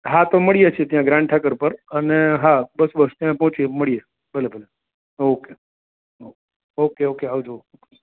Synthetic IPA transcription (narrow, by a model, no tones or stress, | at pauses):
ɦat̪oməɭijet͡ʃʰiet̪jãɡɾãɳɖ̚ʈʰakəɾpəɾəneɦabəsbəst̪jãpɔɦt͡ʃieməɭije | bʱəlebʱəle | oke | oke | okeokeɦaud͡ʒo